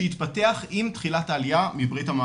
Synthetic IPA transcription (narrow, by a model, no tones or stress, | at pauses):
itpɐte̞aχimtχilataːlijamibʁithama